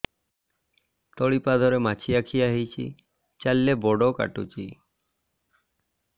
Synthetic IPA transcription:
t̪ɔɭipad̪ʱɔɾemat͡ʃʰiakʰiaɦit͡ʃʰḭ | t͡ʃalːebɔɖoka̰ʈut͡ʃi

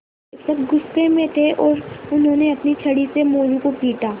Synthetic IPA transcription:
eksɐb̚ɡʊstẽmẽt̪ʰeʔɔːɾʊnɦõːneɐpnit͡ʃʰɐɽisemoːɾũkopiːʈaː

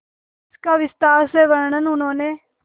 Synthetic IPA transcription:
ɪskaːʋɪst̪aːɾseːʋəɾɳənʊnõːneː

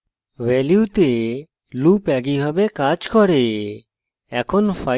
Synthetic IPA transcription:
ʋɛljut̪e | lupɛɡiɦɔbekad͡ʒkɔɾe | ɛkʰonfa

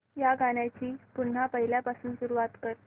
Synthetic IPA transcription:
jaɡaɽjat͡ɕiːpuɳ̤ːapəɦiljapasuːnsuɾuʋat̪kəɾ

